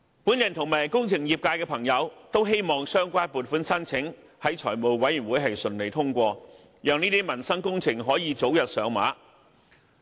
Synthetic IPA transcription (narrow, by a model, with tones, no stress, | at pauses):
puː˨˥njɐ˨˩nt̪ʰʊ˨˩ŋmaː˨˩jkʊ˥ŋt͡sʰɪ˨˩ŋjiː˨p̚kaː˧jkɛː˧pʰɐ˨˩ŋjɐ˨˧wt̪o˥wɦe˥jmɔː˨ŋsœː˥ŋkʷaː˥npuː˨˩t̚fuː˨˥nsɐ˥nt͡sʰɪ˨˥ŋ | hɐ˨˥jt͡ʃʰɔ̰ː˨˩jmo˨wwɐ˨˥jyː˨˩wuː˨˥jɦɐ˨jsɵ˨nle˨jt̪ʰʊ˥ŋkʷɔː˧ | jœː˧ŋniː˥t̪iː˥mɐ˨˩nsɐ˥ŋkʊ˥ŋt͡sʰɪ˨˩ŋɦɔː˨˥jiː˨˧t͡so˨˥wjɐ˨t̚sœː˨˥ŋma̰ː˨˥